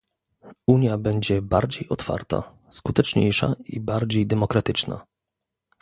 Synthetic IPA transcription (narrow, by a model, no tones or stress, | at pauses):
uɲjabɛɲd͡ʑɛbaɾd͡ʑejɔt̪fa̰ɾt̪a̰ | skut̪ɛt͡ʂɲḛjʂa̰ibaɾd͡ʑejd̪ɛmɔkɾat̪ɘt͡ʂna̰